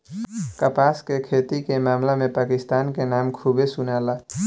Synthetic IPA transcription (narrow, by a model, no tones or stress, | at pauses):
kəpaːskekʰeːt̪ikemaːmlemẽpaːkɪst̪aːnkenaːmkʰuːbesʊnaːlaː